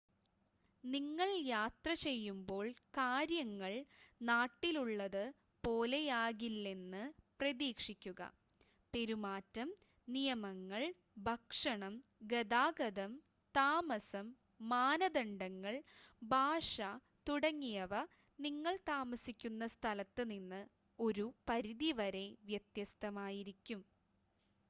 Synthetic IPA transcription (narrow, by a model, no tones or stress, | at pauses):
niŋːɐɭjaːt̪rɐt͡ɕe̞jːumbo̞ːɭkaːɾjɐŋːɐɭnaːʈːiluɭːɐðɨ | po̞ːlejaːɣilːe̞nːɨprɐðiːkʂikʲːuɣɐ̰ | pe̞ɾumaːtːɐm | nijɐmɐŋːɐɭ | bʱɐkʂɐɳɐmɡed̪aːɡɐðɐm | t̪aːmɐsɐmː | aːnɐd̪ɐɳɖɐŋːɐɭbʱaːʂɐ | t̪uɽɐŋːijɐʋɐ | niŋːɐɭt̪aːmɐsikʲːunːɐst̪ʰɐlɐt̪ːɨninːɨ | o̞ɾupɐɾiðiʋɐɾe̞ʋjɐt̪jɐst̪ʰɐmaːjiɾikʲːum